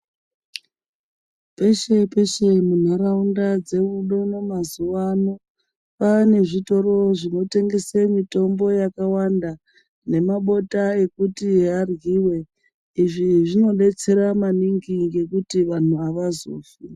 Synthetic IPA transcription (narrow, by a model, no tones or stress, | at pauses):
pe̞ʃe̞pe̞ʃe̞mun̤araundad͡ze̞uɗo̞no̞mazuwano | pane̞ʐito̞ro̞ʐino̞te̞ŋɡe̞semito̞mbo̞jakawanda | ne̞maɓo̞tae̞kutiɦarɣiːwe̞ | iʐiʐino̞ɗe̞t͡se̞ɾamaniŋɡiŋɡe̞kutiʋan̤uaʋazo̰ːfi